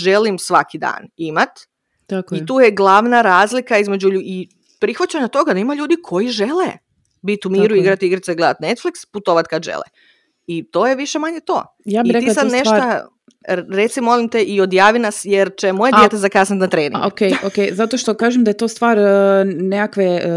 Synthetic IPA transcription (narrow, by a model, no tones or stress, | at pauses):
ʒe̞limsʋakid̪a̰ːnimat̪ | t̪akoit̪uːjeɡlˠaʋnaɾaːzlikaizme̞d͡ʑuʎui | pɾixʋat͡ɕaɲat̪o̞ɡad̪aimaʎuːd̪ikʰo̞jiʒe̞lḛ | bit̪umiːɾuiɡɾat̪iɡɾat̪eiɡled̪a̰t̪ne̞t̪fliksput̪o̞ʋat̪kad̪ʒḛlḛ | it̪o̞ːjeʋiʃe̞maɲet̪o̞̰ː | jaːbitɾeilsad̪neʃʃt̪a | ɾet̪simo̞limt̪eʔio̞d̪jaːʋinasjeɾt͡ʃemojed̪jet̪ezakasnit̪nat̪ɾeːnḭokejokejzat̪oʃt̪okaːʒemd̪ajet̪oːst̪ʋaːɾnekakʋe